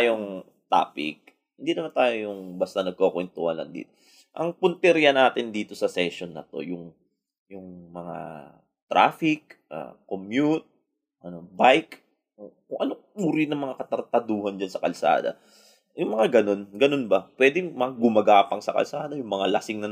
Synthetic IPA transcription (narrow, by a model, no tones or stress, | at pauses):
joŋ | t̪a̰ːpɪ̰k̚ | hɪnd̪inɐmant̪aːjojjʊŋbast̪ɐnɐɡ̚kokwɛnt̪ʊhɐlːɐ̰nd̪ḭːt̪o | ʔɐŋpʊnt̪ɛɾjɐnaːt̪ɪnd̪iːt̪o̞sɐsɛʃo̞nːɐ̰t̪o̞̰jʊŋ | jʊŋmɐŋa̰ | t̪ɾʔa̰ːfɪk̚ʔa̰komjut̪̚ | ʔɐno̞bajk | okʊŋʔɐnouɾinɐŋmɐŋakɐt̪ɐɾt̪ɐd̪uːhɐnd͡ʒansɐkɐlsa̰ːd̪ɐ̰ | jʊŋmɐŋaɡɐno̞nɡɐno̞nbɐpwɛːd̪ɪŋmɐɡʊmɐɡaːpɐŋsɐkɐ̰lsaːd̪ɐjʊŋmɐŋalɐsɪŋnɐ